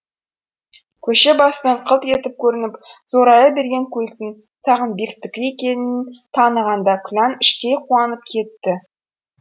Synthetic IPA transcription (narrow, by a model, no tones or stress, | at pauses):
kʲʰɵʃebɑsənɑɴqʰəlˠt̪e̞t̪ɪp̚kʲʰɵɾɪnɪpz̥oɾɑjəbe̞ɾɡʲe̞ŋkʲʰɵlt̪ɪŋ | sɑʁənbe̞kt̪ːɪkʲekʲe̞nɪnt̪ʰɑnəʁɑnd̪ɑkʲʰʊlʲɑnɪʃt̪e̞jqʰuɑnəp̚kʲʰe̞t̪ːɪ